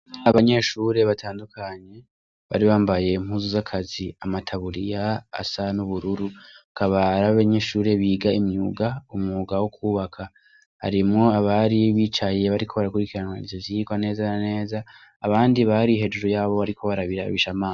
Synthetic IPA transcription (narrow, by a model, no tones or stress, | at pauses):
aβaɲe̞ːʃuɾe̞βatʰaːndukʰaɲe̞ | βa̰ɾiβaːmbaje̞imhuːzuzakʰaziamatʰaβuɾija̰ːsanuβuɾuɾuakʰaβaɾaβaβaɲe̞ːʃuːɾe̞βiːɡaimɲuɡaumŋuːɡawokʰuːβakʰa | ha̰ɾimŋo̞aβaɾiβiːt͡ʃaje̞βaɾikʰo̞βaɾakuɾikiɾanwaizoziiɡwane̞ːzanane̞ːzaː | βaːndiβaɾiɦe̞d͡ʒuɾojaːβo̞βaɾikʰo̞βaɾaβiɾa̰βiʃamaː